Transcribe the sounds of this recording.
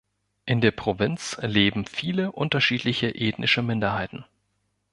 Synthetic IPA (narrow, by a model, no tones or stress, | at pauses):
ʔɪndeːɐpʁ̥ovɪnt͡sleːbm̩fiːləʔʊntɐʃiːtlɪçəʔeːtnʔɪʃəmɪndɐɦaɪtn̩